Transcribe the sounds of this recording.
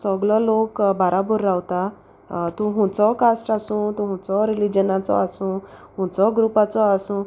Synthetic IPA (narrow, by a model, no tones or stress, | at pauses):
səɡɭɔlokbaɾabuɾːawt̪a | t̪ũɦũt͡sɔkasʈasũt̪ũɦũt͡sɔɾilid͡ʑənat͡sɔ̰asũːɦũt͡sɔɡɾupat͡sɔasũ